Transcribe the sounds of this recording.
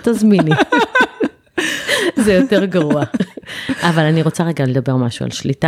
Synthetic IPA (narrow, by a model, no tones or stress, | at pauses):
t̪azmini | zejote̞ʁɡaʁua | ʔavalaniʁo̞t͡saʁeɡale̞d̪abe̞ʁmaʃua̰lʃlit̪a